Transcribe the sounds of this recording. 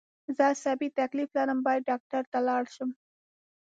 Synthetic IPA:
zasabit̪akliflaɾəmbɑj̪̚ɖɑk̚ʈaɾt̪alɑɽʃəm

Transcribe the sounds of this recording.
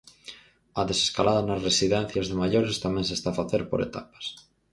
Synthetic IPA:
aðeseskalaðanasresiðen̟θjazðemaʝoɾest̪amẽnsest̪afaθeɾpo̰ɾḛt̪apḁs

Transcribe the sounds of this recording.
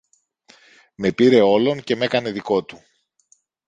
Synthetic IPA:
me̞piɾe̞o̞lo̞nce̞me̞kɐne̞ðiko̞t̪u

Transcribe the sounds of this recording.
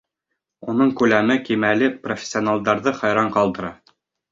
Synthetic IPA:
unɤɴkʉlæmɘkimælɘprofʲɪ̥sʲːionalˠd̪ɑɾðɤχɑjɾɑɴqɑlˠd̪ɤ̆ɾɑ

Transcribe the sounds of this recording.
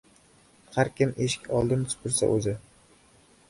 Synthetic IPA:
haɾkʲɪmʔeʃɪ̥kʲɒlˠd̪ɪnt̪ʰʊ̥pʰɪɾsa̰ʔɵzɪ

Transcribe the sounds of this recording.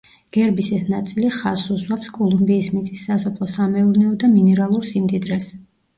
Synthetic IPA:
ɡ̥ɛɾbisɛsnat̪sʼiliχasuzwapskʼɔlˠumbiːsmit̪sʼisːasɔpʰlˠɔsamɛuɾnɛɔd̪aminɛɾalˠuɾsimd̪id̪ɾɛs

